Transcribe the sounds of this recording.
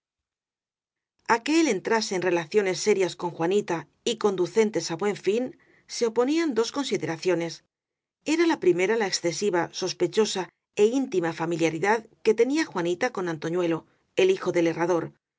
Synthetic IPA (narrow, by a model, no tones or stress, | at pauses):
ake̞lent̪ɾaseenre̞laθjo̞ne̞sːe̞ɾjasko̞ŋxwanit̪a | iko̞nd̪uθe̞nt̪e̞saβwe̞ɱfin | se̞o̞po̞niand̪o̞sko̞nsiðe̞ɾaθjo̞ne̞s | e̞ɾalapɾime̞ɾalaeksθe̞siβaso̞spe̞t͡ʃo̞sa | e̞int̪imafamiljaɾiðaðke̞t̪e̞niaxwanit̪ako̞nãnt̪o̞ɲwe̞lo̞ | e̞lixo̞ðe̞le̞raðo̞ɾ